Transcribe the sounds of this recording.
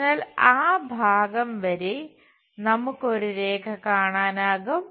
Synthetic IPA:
naːlaːbʱaːɡɐmʋɐɾe | nɐmukːo̞ɾuɾe̞ːkʰɐkaːɳaːnaːɣum

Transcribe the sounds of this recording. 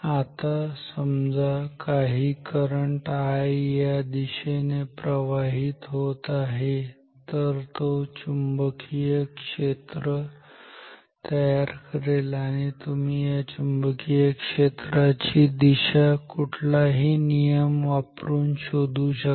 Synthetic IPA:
at̪asəmd͡zakaɦiːkəɾəɳʈajjad̪iɕenepɾəʋaɦiːt̪ɦot̪aɦe | t̪əɾt̪ot͡ɕumbəkʰijəkʂet̪ɾə | t̪əjaɾkəɾelaɽ̃it̪umijat͡ɕumbəkʰijəkʂet̪ɾat͡ɕid̪iɕakuʈʰlaɦiːnijəmʋapɾuːnɕod̪ʱuɕə

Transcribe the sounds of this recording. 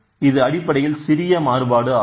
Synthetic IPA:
ɪðɯɐɽɪpːɐɽɐjɪlsɪɾɪjɐmaːrɯbaːɽɯaː

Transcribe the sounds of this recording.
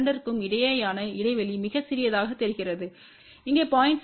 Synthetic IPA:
ɳɖɐɾkːɯmɪɽɐjɐːjaːnɐɪɽɐɪʋɐɭimɪɣɐt͡ʃːɪɾɪjɐðaːɣɐt̪ːɛɾɯɣɪrɐðɯ | ɪŋɡeːpaːjɪɳʈs

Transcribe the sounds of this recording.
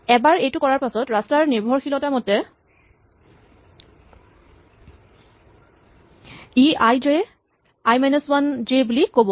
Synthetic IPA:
ɛbaɹejtukɔɹaɹpasɔtɹastaɹniɹbʱɔɹxʰilɔtamotɛ | iajd͡ʒe | ajmɛneswand͡ʒebulikobɔ

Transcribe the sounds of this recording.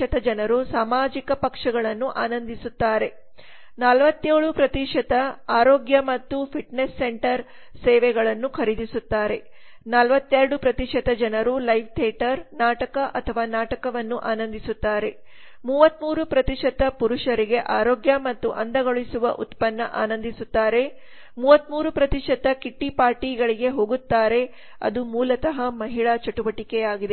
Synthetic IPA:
ɐt̪ɐd͡ʒɐnɐɾusaːmaːd͡ʒikɐpɐkʂɐɡɐɭɐnːuʔaːnɐnd̪isut̪ːaːɾe̞ | nɐlʋɐt̪ːeːɭupɾɐt̪iʂɐt̪ɐaːɾoːɡjɐmɐt̪ːupʰiʈnesːeɳʈɐɾ | sɛːʋɛɡɐɭɐnːukʰɐɾid̪isut̪ːaːɾe̞̰ | nɐlʋɐt̪ːɛɾɐɽupɾɐt̪iʂɐt̪ɐd͡ʒɐnɐɾulɐjʋ̚t̪ʰɛːʈɐɾnaːʈɐkɐʔɐt̪ʰɐʋaːnaːʈɐkɐʋɐnːuʔaːnɐnd̪isut̪ːaːɾe̞ | muːʋɐt̪muːɾupɾɐt̪iʂɐt̪ːɐpuɾuʂɐɾiɡe̞ʔaːɾoːɡjɐmɐt̪ːuʔɐnd̪ɐɡoɭisuʋɐ̰ʔut̪pɐnːɐʔa̰ːnɐnd̪isut̪ːaːɾe̞ | muːʋɐt̪muːɾupɾɐt̪iʂɐt̪ːɐkiʈːipaːɾʈiːɡɐɭiɡe̞ɦoːɡut̪ːaːɾe̞ | ɐ̰d̪umuːlɐt̪ɐɦɐmɐɦiɭɐt͡ʃɐʈuʋɐʈikɛjaːɡid̪e

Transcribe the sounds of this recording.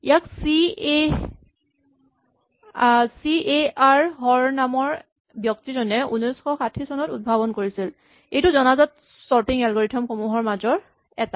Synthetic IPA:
ijaksie | sieaɹɦɔɹnamɔɹ | bjɔk̚tizɔnɛṵnɔjsxɔxatʰisɔnɔtud̚bʱabɔnkoɹisil | ejtʊzɔnazɔt̚ | sɔɹtiŋɛlɡoɹitʰɔmxomuɦɔɹmazɔɹ | ɛta

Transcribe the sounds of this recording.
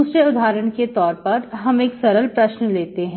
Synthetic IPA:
ust͡ʃəʊd̪ʱaːɾəɳ̃ket̪ɔːɾpɐɾɦɐmeːksɐɾəlpɾɐʃnleːt̪eɦɛ̃

